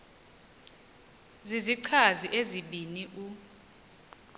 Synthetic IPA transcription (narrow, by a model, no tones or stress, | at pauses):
ziziǀʰaziʔeziɓiniʔu